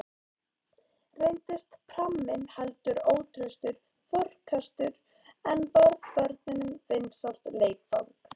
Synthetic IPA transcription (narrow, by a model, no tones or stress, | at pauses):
rejnt̪ɪst̪pʰɾamːɪnhalt̪ʏɾoːwt̪ʰɾʏst̪ʏɾ̥ | fœrkʰast̪ʏɾ | ɛnvɔɾvpœɾt̪nɪnʏmvejnsal̥t̪leːjkfa̰ɣɾ